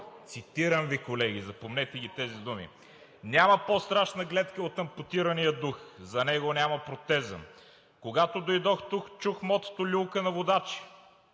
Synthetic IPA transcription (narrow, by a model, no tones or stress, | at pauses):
t̪sit̪iɾəmvikolɛɡʲizɐpomnɛt̪ɛɡ̟ʲit̪ɛzid̪umḭ | nʲamɐpost̪ɾaʃnɐɡlɛt̪kəot̪ɐmpot̪iɾɐnijəd̪uxzɐnɛɡonʲamɐpɾot̪ɛzə̰n | koɡat̪od̪ojd̪ɔxt̪ukt͡ʃuxmɔt̪ə̥t̪olʲulˠkənɐvod̪at͡ʃi̥